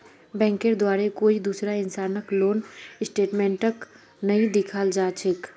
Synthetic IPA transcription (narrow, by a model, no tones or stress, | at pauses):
bɛ̃ːŋkeɾd̪waːɾekoːid̪uːsɾaɪnsaːnəkloːnɪsʈeːʈmẽːɳʈək | nɐɦĩd̪ɪkʰaːld͡ʒaːt͡ʃʰɪk